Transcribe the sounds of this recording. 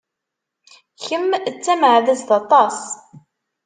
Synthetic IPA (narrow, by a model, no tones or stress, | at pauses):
çəmt͡sːæmʕðæsðɑt̪ˤɑs